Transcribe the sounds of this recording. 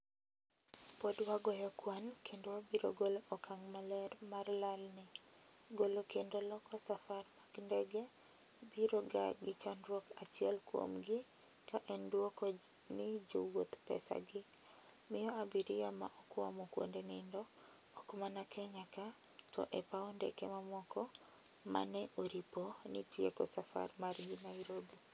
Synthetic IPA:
podwaɡɔjɔkwankʰendowabiɾo̰ɡoloʔɔkʰaŋmalɛrmarlalnɪɡolokendolɔkɔsafarmaɡndɛɡe | biɾoɡa̰ɡɪt͡ʃanɾwɔkat͡ʃɪɛlkwo̰mɡɪ | kaʔɛndwokɔ | nɪd͡ʒowot̪pɛ̰sa̰ɡɪ | mɪjɔabiɾɪjama̰ʔɔkwamɔkwo̰ndenɪndɔː | kmanakʰɛɲaka | tɔ̰ʔɛpaɔndɛ̰kemamɔkɔ | ma̰nɛʔoɾiponitjekɔsafa̰rmarɡɪnaiɾobi

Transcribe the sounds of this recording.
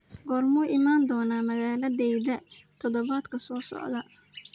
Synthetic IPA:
ɡɔːrmʊːʔɪmaːnd̪ɔːnaːmɐɣaːlɐdɛjðɐ | t̪ʰɔðɔβaːd̪kʰɐsɔːsɔ̰ʕðɐ

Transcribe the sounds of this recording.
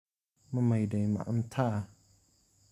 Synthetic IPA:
mamajdajma̰ʔn̩t̪ʰa

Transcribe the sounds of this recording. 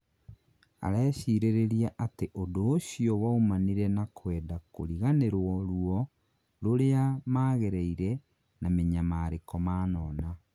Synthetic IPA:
a̰ɾɛːɕiɾeɾeɾiaʔateʔodoːɕiɔwaumaniɾɛnakʰwɛːdako̰ɾiɣaneɾwɔɾuɔ | ɾoɾeamaːɣɛɾɛiɾɛ | nameɲamaːɾekɔmaːnɔːna

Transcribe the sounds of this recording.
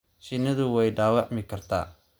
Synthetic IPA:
ʃɪnɐðʊwɛjɖaːwɑʕmɪkʰɐrt̪ʰa̰ː

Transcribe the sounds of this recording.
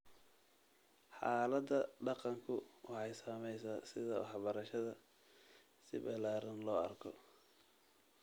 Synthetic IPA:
ħɑːlɐd̪ɐɖɑqɑŋkʰʊwɑħɑjsamɛjsaːsɪðɐwɑħbɐɾɐʃɐðɐ | sɪbɐlaːɾɐnlɔːɐ̰rkʰɔ

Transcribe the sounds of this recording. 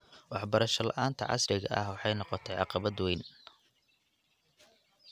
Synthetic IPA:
wɑħbɐɾɐʃɐlɐ̰ʔaːnt̪ʰɐ̰ʕɑ̰srɪɣɐ̰ʔɐhwɑħɑjnɔqɔt̪ʰɛjʕɑ̰qɑβɐd̪wɛjn

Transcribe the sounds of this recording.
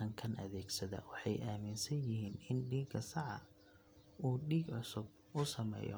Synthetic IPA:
ɐŋkʰɐnʔɐ̰ðɛːɡsɐðɐ̰wɑħɑjʔaːmɪnsɐnjɪɦiːnɪnɖiːɡɐsɑʕɑ̰ | uːɖiːɡʕʊsʊb̚ | ʊsɐmɛ̰ːjɔ̰

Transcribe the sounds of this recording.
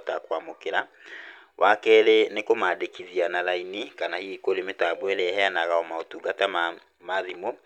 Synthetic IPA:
takwamokeɾa | wʔakɛɾenekomaːdekiðianaɾainikanahikoɾemetaboɛɾɛɦɛanaɣaɔmaotuɡatam | maðimo

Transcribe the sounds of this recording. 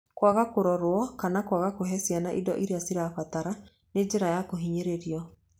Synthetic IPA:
kwaɣakoɾɔɾwɔkanakwaɣakoɦɛsjanaʔidɔ̰ʔiɾeasiɾaɸat̪aɾa | ned͡ʑeɾajakoɦiɲeɾeɾiɔ

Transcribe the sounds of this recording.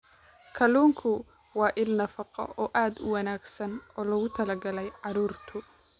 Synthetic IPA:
kʰɐluːŋkʰʊ | wɑːʔɪlnɐfɑqɔ̰ʔɔːʔaːd̪ʊ̰wɑnaːɡsɐnɔːlɐɣʊt̪ʰɐlɐɡɐlɛjʕɑɾuːrt̪ʰʊ

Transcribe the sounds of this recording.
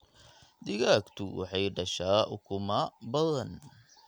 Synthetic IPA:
d̪ɪɣaːkt̪ʰʊwɑ̰ħɑjɖɐʃaːʔʊkʰʊmɐbɐðɐn

